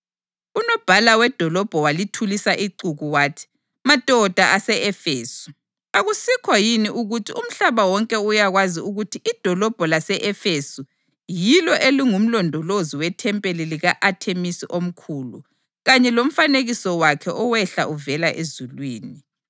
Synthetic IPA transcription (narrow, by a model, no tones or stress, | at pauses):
unɔb̥ʱalawɛd̥ʱɔlɔb̥ʱɔwalitʰulisaʔiǀuɣuwaːtʰi̥ | matʼɔd̥ʱaʔasɛɛfeːsu̥ | aɣusikʰɔjiniʔuɣutʰium̩ɬaβawɔŋkʼɛujaɣwaziuɣutʰiʔid̥ʱɔlɔb̥ʱɔlasɛʔɛfesu | jilɔʔeliŋum̩lɔndʱɔloziwɛtʰɛmpʼeliliɣaʔatʰemisiʔom̩kʰulṵ | ɣaɲɛlom̩faneɣisɔwakʰɛʔɔwɛɬaʔuvɛlaʔezulwiːni